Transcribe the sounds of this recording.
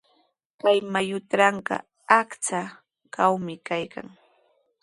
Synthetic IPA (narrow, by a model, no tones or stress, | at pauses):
kajmajʊt̪ɾɑɴɢɑ̰ | akt͡sa | kawmɪkajka̰ŋ